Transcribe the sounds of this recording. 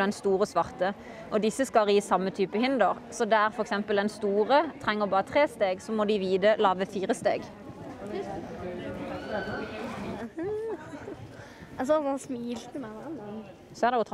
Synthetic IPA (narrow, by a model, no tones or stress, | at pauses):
ɛnst̪uːʁəsʋɑʁt̪ə | ʔɔd̪ɪsːəskɑʁiːsɑmːət̪ʰyːpəhɪnd̪əʁ | sɔd̪ɛæʁfɔɾɛksɛmpəlɛnst̪uːʁət̪ʰʁɛŋːəʁbɑːʁət̪ʰʁeːst̪eːɡsɔmɔd̪ɪʋiːd̪əlɑːʋəfiːʁəst̪ḛːɡ | ɑsɔsmiːlt̪əmɛʋn | sɔɛæʁd̪ɛʊt̪ʰ